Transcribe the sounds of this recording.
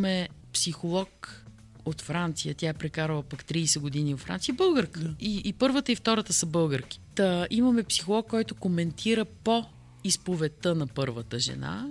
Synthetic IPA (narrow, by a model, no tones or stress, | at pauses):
mɛpsixolˠɔk | ot̪fɾant̪sijət̪jaɛpɾɛkaɾvˠəpakt̪ɾiːsɛɡod̪inivɐfɾa̰nt̪sijəbɤlˠɡəɾkəiːpɤɾvət̪əift̪ɔɾət̪əsəbɤlˠɡəɾki̥t̪əimɐmɛpsi̥xolˠɔkːɔjt̪okomɛnt̪ʰiɾəpo | ispovɛt̪ənɐpɤɾvət̪əʒɛ̰na̰